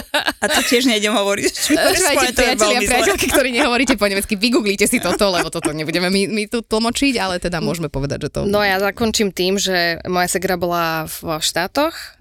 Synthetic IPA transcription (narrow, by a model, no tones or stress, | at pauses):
at̪ɔcɪɛʒɲɛiɟɛmɦɔʋɔɾicʋaʃɛʋjɛp̪ɾiaɛlɪaɾɪatɛlkikt̪ɔɾiːɲɛɦɔʋɔɾiːcɛpɔɲɛmɛt͡skiʋiɡuːɡliːcɛsit̪ɔt̪ɔlɛbɔt̪ɔt̪ɔɲɛbuɟɛmɛmimit̪ut̪l̩ˠmɔt͡ʃiɟalɛt̪ɛd̪amʊɔʒmɛpɔʋɛd̪a̰ɟʒɛt̪ɔ̰nɔjazakɔnt͡ʃimt̪iːmʒɛmɔjasɛɡɾabɔlavʃt̪aːt̪ɔx